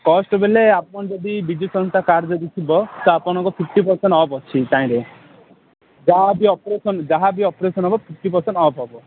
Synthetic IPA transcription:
kɔsʈɔbeleapɔnd͡ʒɔd̪ibid͡ʒjusɔ̃nst̪ʰakaɾd͡ʒɔd̪it̪ʰibɔt̪ɔapɔɽ̃ɔ̃ŋkɔpʰip̚ʰʈipɔɾsenʈɔbɔt͡ʃʰit̪aĩɾe | d͡ʒaɦabiɔpɾesɔnd͡ʒaɦabiɔpɾesɔnɦɔbɔpʰipʰʈipɔɾseɳʈɔpɦɔbɔ

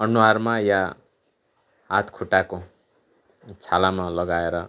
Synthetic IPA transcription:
ʌnuarmaja | ɦat̪kʰuʈako | t͡sʰalamalʌɡaeɾʌ

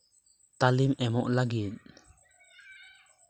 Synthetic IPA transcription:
t̪alimʔɛmɔʔlaɡit̪̚

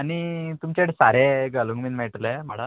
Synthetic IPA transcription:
añit̪umt͡ɕeʈsaɾeɡəluŋɡmiːnmeʈlem̤aɽa

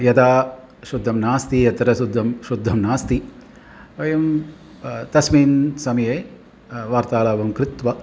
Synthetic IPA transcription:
jɐd̪aː | ʃud̪ʱːɐmnaːst̪ijɐt̪ɐɾɐʃud̪ʱːɐmʃud̪ʱːɐmnaːst̪i | ʋɐjɐm | t̪ɐsmiːnsɐmɐjeː | ʋaːɾt̪aːlaːʋɐmkɾɪt̪ʋɐ

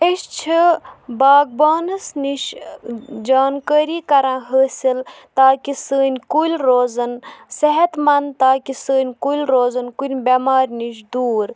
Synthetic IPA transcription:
eʃt͡ʃʰibaːɡ̚baːnɨsniʃ | d͡ʒaːnkəːɾiːkɐɾãːɦəːsil | t̪aːkisəːnʲkulʲɾoːzɐnseɦɐt̪mɐnt̪aːkisəːnʲkulʲɾoːzɐnkunʲbemaːɾʲniʃ̬d̪uːɾ

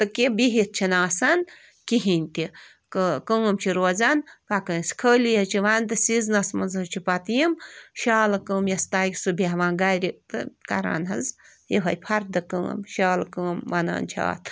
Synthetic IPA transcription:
t̪ɨkibiɦit̪̚t͡ʃʰinaːsɐn | kiɦinʲt̪i | kəkəːmt͡ʃʰiɾoːzɐnpakənskʰəːlijɐt͡ʃʰiʋant̪ɨsiznɐsmɐnzɐt͡ʃʰipɐt̪jimʃaːlɐkəːmjɐst̪aːjksɨbʱiɦʋãːnɡajɾʲit̪ɨkɐɾa̰ːnɦɐz | jiɦɐjpʰɐɾd̪ɨkə̰ːmʃaːlkəːmʋɐna̰ːnt͡ʃʰa̰ːt̪ʰ

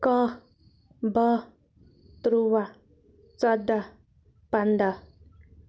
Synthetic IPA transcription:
kʌ | bʌ | t̪ɾuwa | t͡sɔd̪a | pand̪a

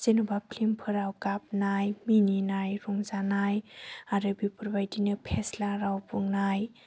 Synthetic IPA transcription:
zenubapʰlimpʰɯɾawkap̚najmininajɾɔŋzanajaɾɯbipuɾbajdinɯpʰeslaɾawpuŋnaj

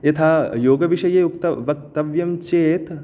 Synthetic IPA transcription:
jɐt̪ʰaːjoːɡɐʋiʃɐjeːukt̪ɐʋɐkt̪ɐʋjɐmt͡ʃeːt̪

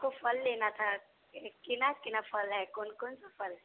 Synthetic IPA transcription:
kofəlːeːnat̪ʰa | kɪnakɪnapʰəlɦɛkɔnkɔnsapʰəlɛ

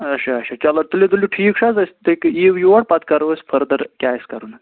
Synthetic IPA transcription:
ɐɕaːɕat͡ɕalat̪uled̪uliʈʰiːkʂat͡sɐst̪ekiʋuʋəɽpat̪kaɾʋəsfʰəɾd̪əɾkʲjajska̰ɾuːn

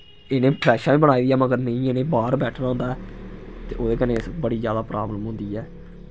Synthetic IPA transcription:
eːnẽːpɾɛːʃaːʋĩːbəɽ̃aːiːd̪ijaːməɡəɾnəĩːeːnẽːbaːɾbɛːʈʰnaːɦõnd̪aːɛːt̪eːʔoːd̪eːkəneːɪsbəɽiːzjaːd̪aːpɾaːbləmɦʊ̃nd̪iːɛː

